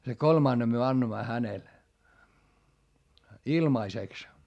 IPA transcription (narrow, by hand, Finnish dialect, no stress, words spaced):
se kolmɑˑnːem myø ɑnːoĭmːɑ hænel ilmɑiseks